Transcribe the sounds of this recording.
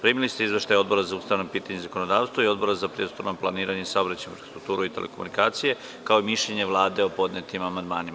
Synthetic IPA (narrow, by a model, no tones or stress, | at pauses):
pɾimilist̪eizʋe̞ʃt̪ajo̞d̪bo̞ɾazaust̪aʋnopiːt̪aɲezako̞nod̪aːʋst̪ʋoio̞d̪bo̞ɾazapɾijed̪st̪o̞ɾnoplˠaniːɾaɲesaobɾat͡ɕajuɾst̪ɾuk̚t̪uːɾuit̪e̞lḛkomṵnikaːt̪sije̞ | kao̞imiʃʎeɲeʋlˠaːd̪e̞o̞po̞d̪net̪imamand̪maːnim